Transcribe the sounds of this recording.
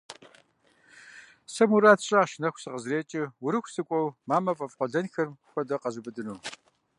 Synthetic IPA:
sɐmuɾaːtʰɕʼɐʃɪnɐxʷsɨqəzreːt͡ʃʼɪwʊɾɨxʷsɨkʷʼɔwmaːmɐfʼɐfqʷɔɮɐnxɐrmxʷɔdɐqɐzubɨdɨnuː

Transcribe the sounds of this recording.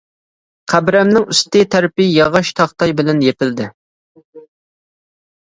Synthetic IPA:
qʰæbɾɛmnɪŋyst̪ɪt̪ʰæɾpɪjɑʁɑʃt̪ʰɑχt̪ɑjbɪlɛnjepɪld̪ɪ

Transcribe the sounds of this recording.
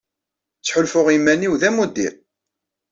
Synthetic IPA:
t͡sːħʊlfʊʁimːæniwðæmud̪iɾ

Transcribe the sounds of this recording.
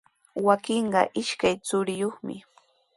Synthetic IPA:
wakɪɴɢɑ̰ʔɪʃkajt͡sʊɾɪjoχmɪ̰

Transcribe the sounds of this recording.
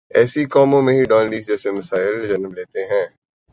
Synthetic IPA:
ɛːsikɔːmõmẽɦiɖɔːnliːɡ̚d͡ʒɛːsemɐsaːɪld͡ʒɐnəmleːt̪eɦɛ̃ː

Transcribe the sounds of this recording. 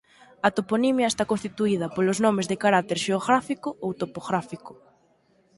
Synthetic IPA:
ɐt̪oponimjɐest̪akõnst̪it̪uið̞ɐpoloznomezðɪkaɾat̪eɾʃeoɣɾafikʊowt̪opoɣɾafikʊ̥

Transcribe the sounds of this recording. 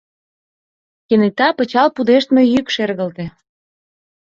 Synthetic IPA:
kenet̪ɑpə̆t͡ɕɑlpud̪eʃt̪mejykʃerɣə̆lt̪ĕ

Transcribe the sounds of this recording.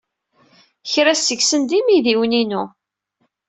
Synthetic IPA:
çɾæsəɡsənd̪imiðiwninu

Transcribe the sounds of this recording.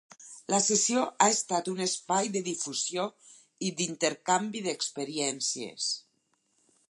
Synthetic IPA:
lasesijoʔaest̪at̪unespajd̪eðifuzjo | id̪int̪eɾkambiðekspeɾiɛnsiḛs

